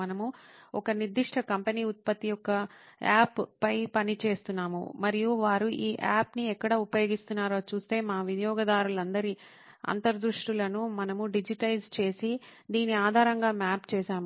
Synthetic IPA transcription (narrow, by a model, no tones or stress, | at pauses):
ɐnɐmuɔkɐniɾd̪iʂʈʰɐkɐmpeniːut̪̚pɐt̪ːijɔkːɐaːppɐjpɐnit͡ʃe̞ːst̪unːaːmṵmɐɾijuʋaːɾuʔiːʔaːpniɛkːɐɽɐːupɐjoːɡist̪unːaːɾoːt͡ʃuːst̪e̞ːmaːʋinjɔːɡɐd̪aːɾulɐnd̪ɐɾi | ɐ̰nt̪ɐɾd̪ɾuʂʈulɐnumɐnɐmuɖid͡ʒiʈɐjd͡ʒt͡ʃe̞ːsid̪iːniaːd̪ʱaːɾɐŋɡaːmaːpt͡ʃɛːʃaːmu